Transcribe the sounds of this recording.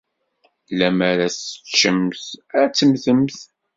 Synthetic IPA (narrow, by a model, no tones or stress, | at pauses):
læmæɾæsə̥t͡ʃːəmθæt͡sːəmθəmθ